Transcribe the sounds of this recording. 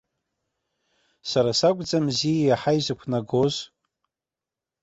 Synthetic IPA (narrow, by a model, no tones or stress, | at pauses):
saɾasakʷʼd͡zamzijajaħajzakʷʰnaɡoz